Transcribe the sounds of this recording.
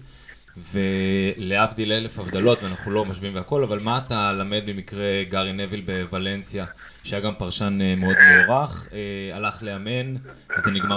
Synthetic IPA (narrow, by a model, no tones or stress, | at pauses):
ve̞leafd̪ilele̞fhavd̪alo̞t̪veanaχnulo̞maʃviimveako̞lavalmaːt̪alame̞d̪̚bemikʁe̞ɡaʁine̞vilbe̞vale̞nsja | ʃajaɡampaʁʃanmeo̞d̪meoʁaχealaχle̞ame̞nvezeniɡma